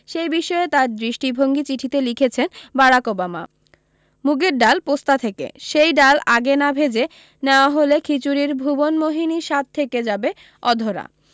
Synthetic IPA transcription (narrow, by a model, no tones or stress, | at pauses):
ʃejbiʃɔet̪aɾd̪ɾiʃʈibʱoŋɡit͡ɕiʈʰit̪elikʰet͡ɕʰenbaɽakobama̰ | muɡeɾɖalpost̪at̪ʰekḛʃejɖalaɡenabʱed͡ʑe | neoaɦolekʰit͡ɕuɾiɾbʱubonmoɦiniʃat̪̚t̪ʰːeked͡ʑabe | ɔd̪ʱoɾa̰